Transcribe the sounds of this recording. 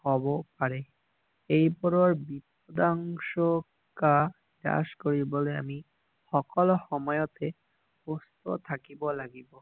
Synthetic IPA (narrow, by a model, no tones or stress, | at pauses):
hɔbopaɾe | ejpɔɾoɾbip̚ | od̪aŋʃo | ka | d̪a̰ʃkoɾibolea̰mi | ʃɔkolhɔmɔeot̪e | ost̪ot̪ʰakibolaɡibo